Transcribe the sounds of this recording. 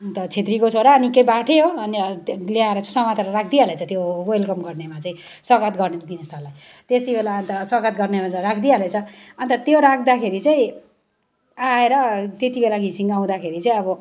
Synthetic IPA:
nt̪ʌt͡sʰet̪rikot͡sʰoɽaːnikejbaʈʰeoʌniljaeɾʌt͡saĩsʌmat̪aɾrak̚ʰd̪ialet͡sʰʌt̪jowelkʌmɡʌrnemat͡saĩ | swʌɡʌt̪ɡʌrnemat̪inʌst̪ʰʌlːaj | t̪est̪ibʱelaːnt̪ʌswʌɡʌt̪̚ɡʌrnemat͡sarakʰd̪ialet͡sʰʌʌnt̪ʌt̪joɾakʰd̪akʰeɾit͡saĩ | aeɾʌt̪et̪ibʱelaɡʱisiŋɡaw̃d̪akʰeɾit͡saĩʌbʌ

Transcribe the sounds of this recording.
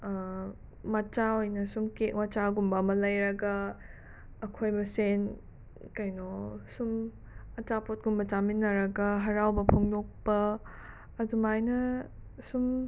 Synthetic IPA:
mat͡ʃaojnɐsumkeʔwat͡ʃaɡumbɐmɐlɐjɾɐɡɐː | kʰojmɐsen | kɐjnɔsum | ɐt͡ʃapot̚ɡumbɐt͡ʃaminːɐɾɐɡɐɦɐɾawbɐpʰoŋdok̚pɐː | dumajnɐsum

